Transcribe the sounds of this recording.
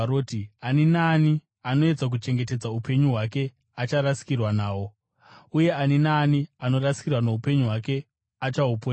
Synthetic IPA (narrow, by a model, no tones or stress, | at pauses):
ɾoːtianinaːni | ano̞e̞d͡zak̬ut͡ʃe̞ŋɡe̞te̞d͡zaupe̞ɲuɦwake̞ | at͡ʃaɾasi̥kirwanaːwo̞ | uje̞aninaːniano̞rasi̥kirwanoupe̞ɲuɦwake̞ | at͡ʃaupo